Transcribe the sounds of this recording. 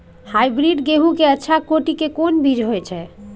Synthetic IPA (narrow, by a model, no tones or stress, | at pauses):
hajbɾiɖɡeɦukeətːʃʰakoʈikekonbʱid͡ʒɦojt͡ʃʰɛ